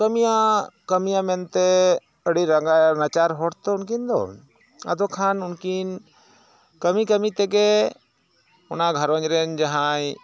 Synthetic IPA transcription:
kəmijakəmijamɛnt̪ɛ | əɽiɾəŋɡajnat͡ʃaɾɦɔɽt̪ɔnk̬ind̪ɔ̰ | a̰d̪ɔkʰanunkin | kəmikəmit̪ɛɡɛ | ɔnaɡʱəɾə̃ɲɾɛnd͡ʒaɦãj

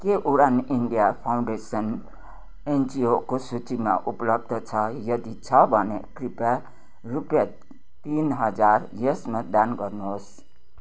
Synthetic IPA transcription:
keʔuɾaniɳɖijapʰaw̃ɳɖesʌn | end͡ziokosut͡sima̰ʔuplʌb̚d̪ʌt͡sʰʌjʌd̪it͡sʰʌbʱʌnekripa | rupja | t̪inɦʌd͡zarjʌsmad̪anɡʌrnoɦos

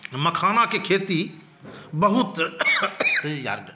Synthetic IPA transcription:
mɐkʰaːnãkekʰeːt̪i | bɐɦʊt̪ | ja̰ɾɖ

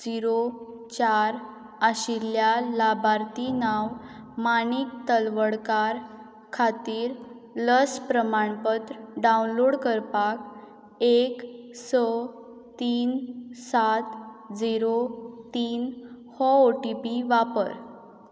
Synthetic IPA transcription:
d͡ziɾo | t͡ɕaɾ | aɕiljalabʱaɾt̪inaw | mañik̚t̪əlʋəɽkaɾ | kʰat̪iːɾ | ləspɾəmaɳpət̪ɾəɖaunloɽkəɾpak | eksə | t̪iːnsat̪ | d͡ziɾot̪iːn | hɔoʈipiʋapəɾ

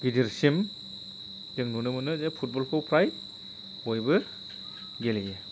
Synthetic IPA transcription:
ɡ̥idiɾsim | dɯŋnunɯmɯnɯzepʰut̚bɔlpʰɔwpʰɾaj | ojbɯ | ɡelije

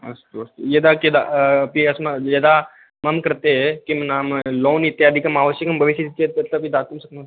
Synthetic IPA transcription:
ɐ̰st̪uɐst̪ujed̪akid̪a̰piɐsmɐjɐd̪a | mɐmkəɾt̪ekimɐnamloːnit̪ːjaːd̪ʱikɐmaːʋəsjɐkɐmbʱɐʋiʃjəd̪it̪jet̪ɐt̪ləpid̪at̪umsɐknɐt̪

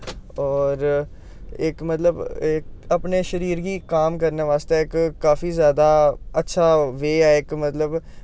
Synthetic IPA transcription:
ɔːɾ | ɪkmət̪ləbkəpneːʃəɾiːɾɡiːkaːmkəɾneːʋaːst̪eɪkːaːfiːzjaːd̪aːətːʃʰaːʋeːɛːɪkmət̪ləb

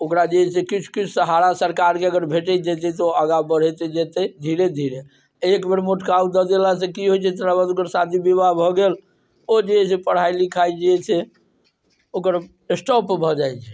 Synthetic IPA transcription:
okɾad͡ʒeɛsekit͡ʃʰu̥kit͡ʃʰsəɦaɾasəɾkaɾkeəɡəɾbʱeʈɛd͡ʒɛt̪ɛt̪ɔəɡabəɽ̤ɛt̪ed͡ʒɛt̪ɛd̪ʱiɾed̪ʱiɾe | ekbeɾmoʈkaud̪əd̪elasẽkiɦojt͡ʃʰɛt̪əɾabad̪okəɾsad̪ʱibibaɦbʱɔɡel | od͡ʒeɛsepəɽ̤ajlikʰajd͡ʒiɛt͡ʃʰɛ | okəɾ | esʈɔpbʱɔd͡ʒajt͡ʃʰɛ̥

